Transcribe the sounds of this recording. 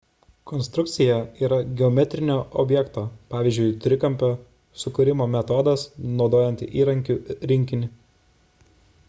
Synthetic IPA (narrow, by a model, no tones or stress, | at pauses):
kɔnst̪ɾʊk̚t̪sʲɪjɛiːɾɐɡʲɛɔmʲɛt̪ʲɾʲɪnʲoːʔɔ̰bʲjɛkt̪oːpɑːʋʲɪːzʲd͡ʒʲʊɪt̪ʲɾʲɪkɐmʲpʲoː | sʊkʊɾʲɪmoːmʲɛt̪oːd̪ɐsnɒʊd̪oːjɛnʲt̪ʲɪʔiːɾɐŋʲkʲuːɾʲɪŋʲkʲɪnʲɪ